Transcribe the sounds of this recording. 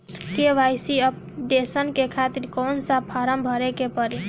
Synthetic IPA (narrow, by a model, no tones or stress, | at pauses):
keʋajsiəp̚ | ɖesənkekʰat̪iɾkonsapʰaɾəmbʱʌɾekepəɾi